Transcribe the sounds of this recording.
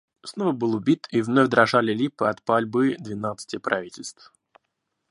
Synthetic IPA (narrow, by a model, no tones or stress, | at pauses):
snovəbɨlˠʊbʲit̪ʰivnovʲd̪ɾɐʐalʲɪlʲipɨɐt̪palʲbɨd̪vʲɪnat̪sɨ̥tʲɪpɾɐ̰vʲitʲɪlʲst̪f